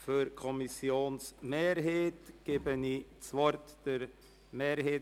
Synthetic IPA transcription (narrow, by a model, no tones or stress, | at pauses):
fyɾkʰɔmisjoːnsmeːɾɦeːtɡ̥eːbənit͡svɔɾtd̥əɾ | meːɾheː